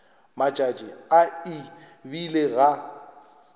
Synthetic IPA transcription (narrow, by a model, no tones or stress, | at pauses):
mat͡ʃʼat͡ʃʼɪaɪbileɣa